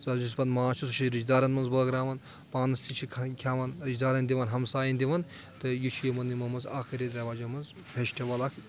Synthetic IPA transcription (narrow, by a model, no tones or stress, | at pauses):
zad͡ʒus̬bɐnmaːt͡ʃʰusut͡ʃʰiɾid͡ʒd̪aːɾɐnmɐnzbɐɡɾaːʋɐn | paːnɐst̪ʰit͡ʃʰikʰkʲʰaːʋɐnɾid͡ʒd̪aːɾɐnd̪iʋɐnɦɐmsaːjɐnʲd̪ʲiʋɐn | t̪ɨjit͡ʃʰujimɐnːimɐmɐza̰ːkʰɐɾʲid̪ɾʲɐʋaːd͡ʒɐmɐnz | pʰʲeʃʈʰʲɐʋɐlɐkʰ